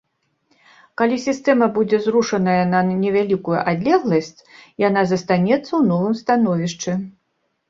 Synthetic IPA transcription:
kalʲisʲist̪ɛmɐbud͡zʲɛzɾuʂɐnɐjɐnɐnʲɛvʲalʲikujṵʔad̪ʲlʲɛɣlˠɐsʲt͡sʲjanazɐst̪anʲɛt̪sːɐwnɔvɨmst̪anɔvʲiʂt͡ʂɨ

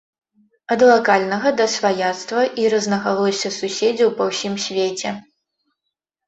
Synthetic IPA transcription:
ɐd̪lˠakalʲnɐɣɐd̪ɐsvajat̪st̪vɐʔiɾɐznɐɣalˠɐsʲɐsusʲed͡zʲɐwpɐwsʲimsʲvʲet͡sʲɛ

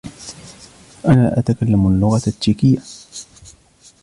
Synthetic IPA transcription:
ʔanaːʔat̪akalːamalːʊɣaat̪ːiːkɪjːa

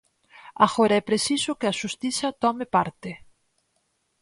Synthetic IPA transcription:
aɣoɾɐɛpɾesisʊkɪɐʃust̪iθɐt̪ɔmɪpaɾt̪ɪ

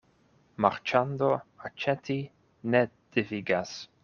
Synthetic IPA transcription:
maɾt͡ʃand̪oat͡ʃɛt̪ʰi | ned̪̥iviɡas

